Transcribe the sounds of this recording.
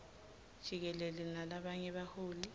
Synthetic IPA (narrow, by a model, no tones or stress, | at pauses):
d̥ʒ̥ʱik̬ɛlɛlɛnalaɓaɲɛɓahoːli